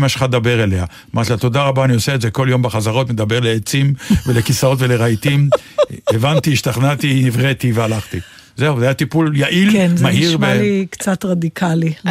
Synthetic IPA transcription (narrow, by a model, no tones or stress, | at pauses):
maʃe̥χat̪d̪abe̞ʁele̞a | mat̪lat̪o̞daʁabaːnioseetzeko̞ljo̞mbeχazaʁo̞t̪med̪abeʁleːt͡simvelekisao̞t̪ve̞leʁait̪imevant̪iʃt̪aχnat̪inivʁet̪ivealaχt̪i | zeuvajat̪ipuljaʔilnmahiʁbelikt͡sat̪ʁad̪ikʰali